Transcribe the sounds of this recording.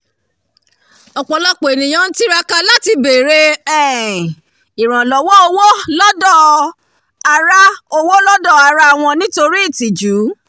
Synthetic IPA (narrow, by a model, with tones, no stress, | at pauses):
ɔ˨k͡pɔ˨lɔ˦k͡po˨e˨nĩ˨j̃ã˨˦n̩˦ti˦ɾa˦ka˧la˦ti˧be˨ɾe˧ɛ˦˨ | i˨ɾ̃ã˨lɔ˨˦wɔ˦o˧wo˦lɔ˦dɔ˦˨ | a˧ɾa˦o˧wo˦lɔ˦dɔ˦˨a˧˨ɾa˦a˨w̃ɔ̃˧nĩ˦to˧ɾi˦i˦˨ti˨d͡ʒu˨˦